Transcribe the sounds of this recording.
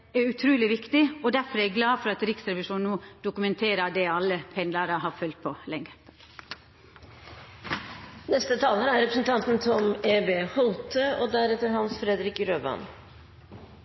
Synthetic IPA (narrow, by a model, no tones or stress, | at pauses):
æʉt̪ʰɾʉːlɪʋɪkt̪ɪɔd̪æfɔɾɛɡlɑːfɔɾɑt̪ɾɪksɾɛʋɪʃuːnnuːd̪̥ʊkʉmɛnt̪ʰeːɾɑd̪ɛɑlːəpʰɛnd̪lɑɾəɦɑːfœlt̪̚pʰɔlɛŋːə | nɛst̪ət̪ʰɑːləæɾɛpɾəsn̩t̪ʰɑnt̪n̩t̪ʰɔmeːbeːhuːt̪ʰəʔoːd̪æɾɛt̪ːəɾhɑnsfɾɛd̪ɾɪkɾøːbɑ̰n